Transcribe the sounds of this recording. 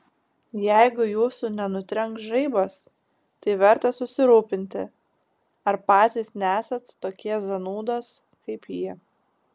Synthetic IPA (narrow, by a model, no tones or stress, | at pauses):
jɛɪɡʊjuːsʊnʲɛnʊt̪ʲɾʲɛŋksʒɐɪbɐs | t̪ɐɪʋʲɛɾt̪ɐsʊsʲɪɾuːpʲɪnʲt̪ʲɪ | ɐɾpɑːt̪ʲiːsnʲæːsʲɐt̪t̪oːkʲiɛszɐnuːd̪os | kɐɪpjiː